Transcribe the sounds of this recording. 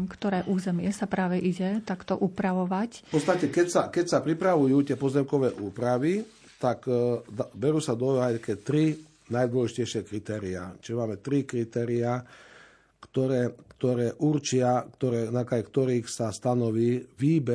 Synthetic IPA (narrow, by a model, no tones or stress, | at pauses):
mkt̪ɔɾɛːʔuːzɛmɪɛsapɾaːʋɛʔiɟɛt̪akt̪ɔʔupɾaʋɔʋacpɔt͡st̪acɛkɛcsakɛcsapɾipɾaʋujuːt̪ɪɛpɔzɛmkɔʋɛːʔuːpɾaʋi | t̪akd̪bɛɾuːsad̪ɔajt̪akɛːt̪ɾi | najd̪ʋɔlɛʒicɛjʃɪɛkɾit̪ɛːɾia̰t͡ʃiʒɛmaːmɛt̪ɾikɾit̪ɛːɾia | kt̪ɔɾɛːkt̪ɔɾɛːʔuɾt͡ʃɪakt̪ɔɾɛːnakajɛkt̪ɔɾiːxsast̪anɔʋiːʋiːbɛ